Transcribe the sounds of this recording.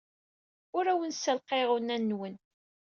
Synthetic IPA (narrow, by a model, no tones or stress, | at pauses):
ʊɾæwənsːəlqeʁʊnænːwən